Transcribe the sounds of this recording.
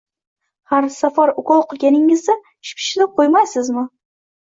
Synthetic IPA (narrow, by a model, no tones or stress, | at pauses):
haɾsafaɾʊkɒlˠqɨlˠɡʲanɪŋɪzd̪a | ʃpʰɪ̥ʃɪlɪqʰojmajsɪzmɪ